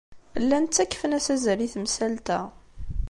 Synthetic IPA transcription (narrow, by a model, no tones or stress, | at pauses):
lːænt͡sːækːfənæsæzəɾiθmsælt̪æ